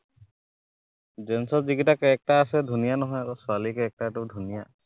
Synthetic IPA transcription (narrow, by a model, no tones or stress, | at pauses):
d͡ʒɛnsɔziɡitakɛɛk̚ʈaːsɛdʱunijanɔɦɔjaɾɔsʊalikɛɛk̚ʈatudʱunija